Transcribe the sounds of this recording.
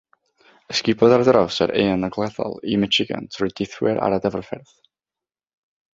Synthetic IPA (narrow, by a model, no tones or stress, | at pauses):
əskɪbʰɔðardəɾɔwsə̰ɾʔeːənəɡlˠɛðɔ̰lˠimɛt͡ʃɪɡa̰ntʰrʊjdɪθwɪɾʔa̰ɾadɛvrfɛrð